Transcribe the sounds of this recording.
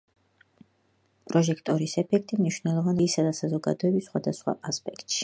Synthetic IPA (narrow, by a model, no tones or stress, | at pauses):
pʼɾɔʒɛkʰt̪ʼɔɾisɛpʰɛk̚ʰt̪ʼimniʃwnɛlˠɔvaniːsad̪asazɔɡa̰d̪ɔɛbisːχwad̪asχwa̰ʔaspʼɛkʰt̪ʼʃi̥